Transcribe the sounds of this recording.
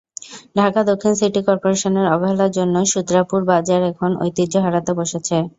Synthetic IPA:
ɖʱakad̪okʰːinsiʈikɔɾpoɾeʃoneɾɔboɦelaɾd͡ʑonːoʃud̪ɾapuɾbad͡ʑaɾɛkʰono̰jt̪id͡ʑoɦaɽat̪eboʃet͡ɕʰe

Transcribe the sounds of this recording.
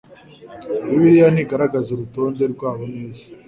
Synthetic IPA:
iβiɾijaniɡaɾaɡazoɾuto̞ːnde̞ɾɡwaːβoneːzi̥

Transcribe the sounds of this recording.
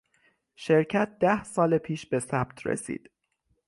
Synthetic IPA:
ʃe̞ɾcʰæt̪̚d̪æhsɒːlepʰiːʃbe̞sæb̥t̪ʰrḛsḭːd̪̥

